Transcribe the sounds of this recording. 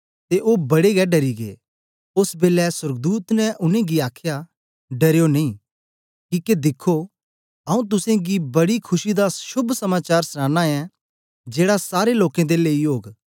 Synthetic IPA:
t̪eʔoːbɐɽeɡɛɖɐɾiɡḛː | ʊsbeːlɛsɐɾɡd̪uːt̪nɛ̃ʔʊnẽɡiaːkʰja | ɖɐɾejonɐ̃ĩː | kiːked̪ɪkʰːo | ɐũt̪̬ʊsẽɡibɐɽikʰʊʃid̪aʃʊbʱsɐmaːt͡ʃaːɾsnãːnaɛ̃ | d͡ʒeːɽasaːɾeloːkẽd̪eleːiɦoːɡ

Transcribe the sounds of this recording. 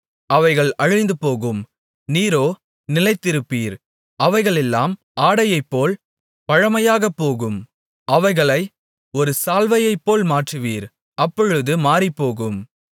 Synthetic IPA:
ʔɐʋɐɪɣɐɭɐɻɐɪnd̪ɯpoːɣɯm | niːɾoː | nɪlɐɪt̪ːɪɾɯpːiːɾ | ʔɐʋɐɪɣɐɭɛlːa̰ːm | ʔaːɽɐjɐɪpːoːl | pɐɻɐmɐjaːɣɐpːoːɣɯm | ʔɐʋɐɪɣɐɭɐɪ | ɔɾɯsaːlʋɐjɐɪpːoːlmaːʈrɯʋiːɾ | ʔɐpːɔɻɯðɯmaːɾipːoːɣɯm

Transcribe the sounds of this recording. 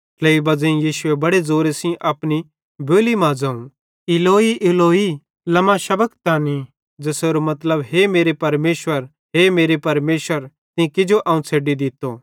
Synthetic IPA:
kleːibɐd͡zẽĩjiːʃʊebɐɽed͡zoːɾesĩʔɐpni | bʱoːlimãd͡zɐ̃ːũ | ɪloːiʔɪloːi | lɐmaʃɐbəkt̪aːni | d͡zɐseːɾomɐt̪ləbɦemeːɾepɐɾmeːʃwəɾ | ɦemeːɾepɐɾmeːʃʋəɾ | t̪ɪ̃kɪd͡ʒoʔɐːũt͡sʰeːɖid̪ɪt̪ːo

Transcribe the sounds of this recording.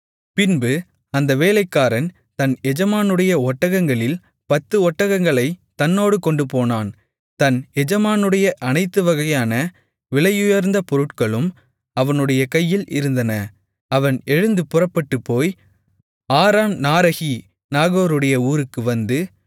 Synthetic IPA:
pɪnbɯ | ɐnd̪ɐʋeːlɐɪkːaːɾɐn | t̪ɐnɛd͡ʒɐmaːnɯɽɐjɐɔʈːɐɣɐŋɡɐɭɪl | pɐt̪ːɯɔʈːɐɣɐŋɡɐɭɐɪt̪ɐnːoːɽɯkɔɳɖɯpoːnaːn | t̪ɐnɛd͡ʒɐmaːnɯɽɐjɐʔɐnɐɪt̪ːɯʋɐɣɐjaːnɐ | ʋɪɭɐjɯjɐɾnd̪ɐpɔɾɯʈkɐɭɯm | ɐʋɐnɯɽɐjɐkɐjːɪlʔɪ̰ɾɯnd̪ɐnɐ | ɐʋɐnɛɻɯnd̪ɯpɯrɐpːɐʈːɯpːoːj | aːɾaːmnaːɾɐɣi | naːɣoːɾɯɽɐjɐuːɾɯkːɯʋɐnd̪ɯ

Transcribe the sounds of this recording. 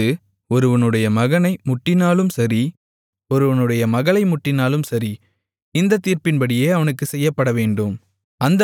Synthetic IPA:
ɯ | ɔɾɯʋɐnɯɽɐjɐmɐɣɐnɐɪmʊʈːɪnaːlɯmsɐɾi | ɔɾɯʋɐnɯɽɐjɐmɐɣɐɭɐɪmʊʈːɪnaːlɯmsɐɾi | ɪnd̪ɐt̪ːiːɾpɪnpɐɽɪjeːɐʋɐnɯkːɯsɛjːɐpːɐɽɐʋeːɳɖɯm | ɐnd̪ɐ

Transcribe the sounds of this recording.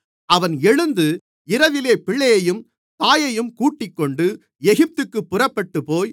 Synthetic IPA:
ɐʋɐnɛɻɯnd̪ɯ | ɪɾɐʋɪleːpɪɭːɐjɐjɯm | t̪aːjɐjɯmkuːʈːɪkːɔɳɖɯ | ɛɣɪp̚t̪ɯkːɯpːʊrɐpːɐʈːɯpoːj

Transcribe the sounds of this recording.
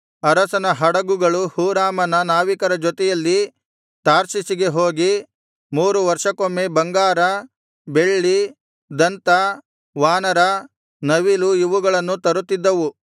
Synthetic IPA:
ɐɾɐsɐnɐɦɐɽɐɡuɡɐɭuhuːɾaːmɐnɐnaːʋikɐɾɐd͡ʒɔt̪ɛjɐlːi | t̪aːɾsisiɡeɦoːɡi | muːɾuʋɐɾʂɐkomːebɐŋɡaːɾɐ | be̞ɭːi | d̪ɐnt̪ɐ | ʋaːnɐɾɐ | nɐʋiluiʋuɡɐɭɐnːut̪ɐɾut̪ːid̪ːɐʋu

